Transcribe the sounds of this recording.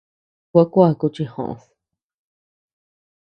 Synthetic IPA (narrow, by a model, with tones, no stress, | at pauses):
kʷa˦kʷa˦˨ku˧t͡ʃi˧hõ̰˧ʔθ